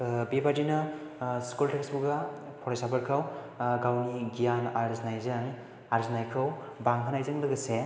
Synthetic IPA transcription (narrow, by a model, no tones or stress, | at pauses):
bebadinɯskultʰeksbuɡa | pʰɔɾajsabɯɾkʰɯw | ɡawniɡijanaɾznajzɯŋ | aɾznajkʰɯw | baŋɦʰanajzɯŋdɯɡɯse